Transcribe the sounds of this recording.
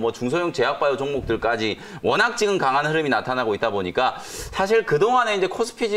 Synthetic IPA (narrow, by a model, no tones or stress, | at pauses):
mwʌt͡ɕuŋsʰojoŋt͡ɕe̞ɦak̚p͈ajot͡ɕoŋɡok̚t͈ɯɭk͈ad͡ʑi | wʌnɦak̚t͡ɕ͈iɡɯnkaŋɦanhɯɾɯminatʰanaɡoit͈̚aboɲik͈a | sʰaɕ̬ʰiɭkɯdoŋɦane̞ind͡ʑe̞kʰosʰɯ̥pʰid͡ʑi